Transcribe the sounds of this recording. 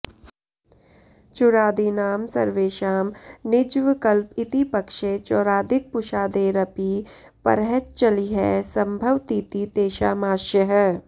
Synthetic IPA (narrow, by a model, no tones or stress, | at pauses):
t͡ʃʊɾaːd̪inaːmsɐɾʋeːʃaːmnɪd͡ʒʋɪkəlpɪt̪ipɐkʃet͡ʃɔːɾaːd̪ɪk̚pʊʃaːd̪eːɾɐpi | pɐ̰ɾɦɛt͡ʃ̚t͡ʃɐliɦɛsɐ̃mbʱəʋt̪iːt̪it̪eːʃaːmaːʃjəɦɛ